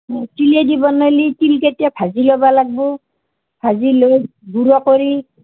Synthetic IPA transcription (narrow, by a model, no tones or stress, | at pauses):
tiliedibɔnojlitilketijapʰazilɔbalaɡ̚bɔ | pʰaziloj | ɡuɹɔkoɹi